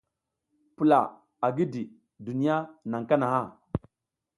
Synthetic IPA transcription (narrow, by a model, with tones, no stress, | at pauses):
pu˨la̰˨ | a˨ɡi˦di˨ | du˨ni˦ja˦na˨ŋ˨ka˦na˨ha˦˨